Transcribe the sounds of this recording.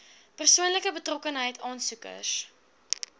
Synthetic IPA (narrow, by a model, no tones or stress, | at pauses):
pərsuənləkəbətrɔkənɦəjtʰɑːnsukə̰s